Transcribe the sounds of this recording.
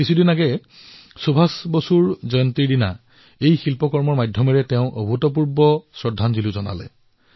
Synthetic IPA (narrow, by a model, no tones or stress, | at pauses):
kisʰudinaɡɛ | subʱasbosuɹzɔjɔntiɹdina̰ | ejxilpɔkɔɹmɔɹmajdʱjɔmɛɹɛtɛʊ̃ʔobʱutɔp̬uɹbɔsɹɔdʱanziluzɔna̰lɛ̰